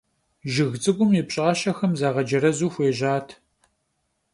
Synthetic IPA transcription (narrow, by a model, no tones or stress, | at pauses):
ʒɪɣt͡sʼɨɡʷʊmjɛpɕʼʁɐʃɐxɐmzaːʁɐd͡ʒɐɾɐzuːxʷeːʑaːtʰ